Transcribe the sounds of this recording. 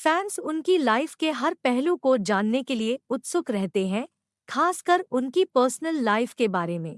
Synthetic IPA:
fɛːnsʊnkilaːɪfkeɦɐɾpɛɦlũkod͡ʒaːnːekelieʊt̪sʊkɾɛɦt̪eɦɛ̃ | kʰaːskɐɾʊnkipəːɾsnəlːaːɪfkebaːɾemẽː

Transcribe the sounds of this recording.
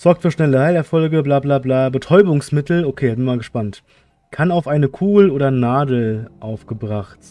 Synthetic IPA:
z̥ɔɐk̚tfyːɐʃnɛləhaɪlɛɐfɔlɡəblaːblaːblaːbətʰɔʏbʊŋsmɪtl̩okʰeːzɪnmaːlɡəʃpant | kʰanaʊfʔaɪnəkʰuːɡl̩oːdɐnaːdl̩ʔaʊfɡ̥əbʁaχt

